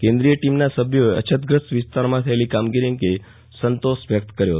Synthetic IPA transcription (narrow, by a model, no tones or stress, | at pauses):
kẽnd̪ɾijəʈimnasəbʱjoeʔə̰t͡ʃʰət̪̚ɡɾəsʋɪst̪aɾmãt̪ʰəelikamɡiɾiŋke | sənt̪osʋjək̚t̪kəɾjoɦət̪